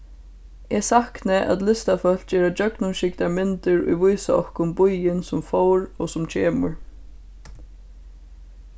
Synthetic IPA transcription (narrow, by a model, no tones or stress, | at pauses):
ɛsahknɪʔæ̰t̪lɪst̪afœl̥d͡ʒɛːɾad͡ʒœknʊnʃɪkt̪amɪnt̪ɪɾṵjvujsaɔhkʊnbujɪnsʊmfowɾɔsʊmt͡ʃʰeːmʊɹ